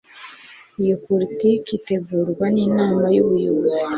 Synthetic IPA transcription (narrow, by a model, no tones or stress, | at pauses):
ijopoɾitikite̞ɡuːɾɡwaniːnaːmajuβujozi